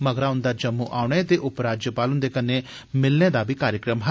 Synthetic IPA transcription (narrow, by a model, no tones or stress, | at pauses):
məɡɾaːʊnd̪aːd͡ʒəmːuːʔaːʊɳ̃eːt̪eːʔʊpɾaːd͡ʒjəpaːlʊnd̪eːkənːeː | mɪlnẽːd̪aːbʱiːkaːɾjəkɾəmɦə